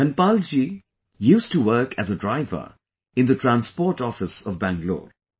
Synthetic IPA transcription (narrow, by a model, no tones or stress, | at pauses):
ɛ̃npald͡ʒi | juːstuwɜ˞kʰɨzədɹaɪvə̰˞ | ɪ̃nd̪ətʰɹæ̃nspɔːʈɔfɪsɔvbæ̃ŋɡlo̰ːɹ